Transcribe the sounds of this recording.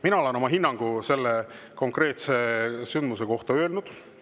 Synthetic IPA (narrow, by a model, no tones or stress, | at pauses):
minɑo̞le̞no̞mɑɦinːɑŋɡ̥use̞lːe | ko̞ŋkre̞ːt̪sesynd̪mus̬e̞ko̞ht̪ɑø̞ːlnud̪̥